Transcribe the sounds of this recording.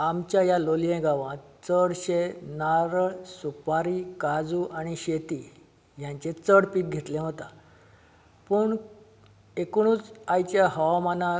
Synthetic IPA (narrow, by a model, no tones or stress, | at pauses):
amt͡ɕjajaloljẽɡaʋãt̪t͡səɽɕenaɾɭsupaɾikad͡zuːʔaɽ̃iɕet̪i | jãɲt͡ɕet͡səɽpiːt̪̚ɡʱet̪lẽɦot̪a | pəɳ | ekɽ̃ũːt͡sajt͡ɕjahəʋamanã